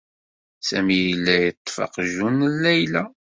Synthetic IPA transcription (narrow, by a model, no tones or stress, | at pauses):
sæmijilːæjət̪ˤːfɑ̰qʒunlːæjlæ